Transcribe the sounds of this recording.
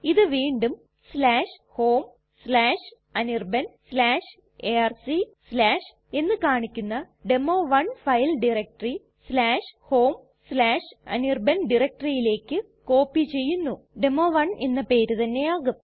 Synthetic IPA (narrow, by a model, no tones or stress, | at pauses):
iðɨʋiːɳɖum | slaːʂho̞ːm | slaːʂ | ɐnirbɐnslaːʂ | earsislaːʂ | e̞nːɨkaːɳikʲːunːɐ | ɖemoːʋɐɳfɐjlɖirek̚ʈɐri | slaːʂho̞ːm | slaːʂɐ̰nirbɐnɖirek̚ʈɐrijile̞ːkʲːɨ | ko̞ːpːit͡ɕe̞jːunːu | ɖe̞mːoːʋɐɳenːɐpe̞ːɾut̪ɐnːe̞jaːɣum